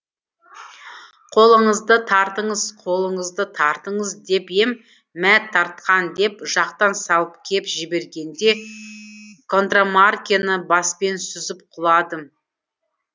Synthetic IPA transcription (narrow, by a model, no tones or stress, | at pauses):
qʰo̞lˠəɴəzd̪ət̪ʰɑɾt̪əɴəzqʰo̞lˠəɴəzd̪ət̪ʰɑɾt̪əɴəzd̪e̞pe̞m | mæt̪ʰːɑɾt̪qɑnd̪e̞pʒɑqt̪ɑnsɑlˠəp̚kʲʰe̞pʒɪbe̞ɾɡʲe̞nd̪e̞ | kʰo̞nt̪ramarkʲenəbɑspe̞nsʏzɪp̚qʰʊlˠɑd̪ə